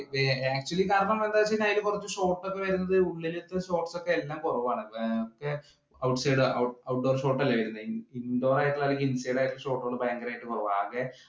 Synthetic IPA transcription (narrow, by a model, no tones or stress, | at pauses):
eaːk̚t͡ɕuɐlːikaːɾɐɳɐmːend̪aːʋɐt͡ɕːiinaːjilkurɐt͡ɕːɨɕo̞ːʈːokːeʋɐɾunːɐðɨuɭːilit̪ːɨɕo̞ːʈsokːe̞elːaːmkorɐʋaːɳɨokːe | ɐwʈsɐjɖɨɐɐwʈ̚ɖo̞ːrɕo̞ːʈːɐlːɐʋɐɾunːɐindoːɾraːjɐtːilaoːɾɐɡinsɐjɽaːjtʈːilɕo̞ːʈːɨoɳːɨbajɐŋɡɐlaːjiʈːɨkorɐʋaːɣe